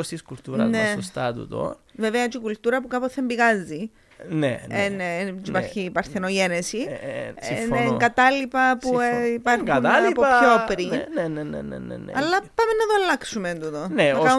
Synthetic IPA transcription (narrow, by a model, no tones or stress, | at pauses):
ost̪iskult̪uɾɐ̰nesost̪ɐt̪ṵt̪o̰veveɐt͡ʃikult̪uɾɐpukɐpoθembiɣɐzːi | nḛennt͡ʃipɐɾçiːpɐɾθenoʝenesisneŋɡɐt̪ɐlipɐpuipɐɾunnlpopçopɾinnenḛnḛnḛnḛnḛɐlːɐpɐmenːɐðolːɐksumend̪ut̪oneɐkɐ